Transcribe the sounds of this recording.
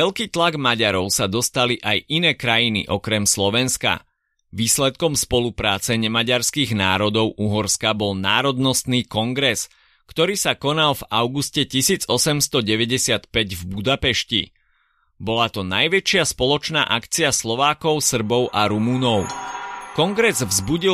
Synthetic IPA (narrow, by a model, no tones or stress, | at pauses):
ʋɛʎkiːt̪laɡmaɟaɾɔʊsad̪ɔst̪aliʔajʔinɛːkɾajinḭʔɔkɾɛmslɔʋɛnska̰ | ʋiːslɛt̪̚kɔmspɔlupɾaːt͡sɛɲɛmaɟaɾskiːɣna̰ːɾɔd̪ɔʊʔuɦɔɾskabɔlnaːɾɔd̪nɔst̪niːkɔŋɡɾɛs | kt̪ɔɾiːsakɔnalvaʊɡuscɛcisiːd͡zɔsɛmst̪ɔɟɛʋɛɟɛsɪat̪pɛɟvbud̪apɛʃcḭ | bɔlat̪ɔnajʋɛt͡ʃɪaspɔlɔt͡ʃna̰ːʔakt͡siaslɔʋaːkɔʊsr̩bɔʊʔaɾumunɔʊkɔŋɡɾɛzvzbuɟi